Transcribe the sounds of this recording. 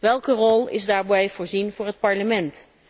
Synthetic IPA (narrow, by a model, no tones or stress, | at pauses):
ʋɛlˠkərɔlˠɪ̰zdaːɹbɛjv̥ʊːɹzinvʊːɹɦət̚pɑɹləmɛnt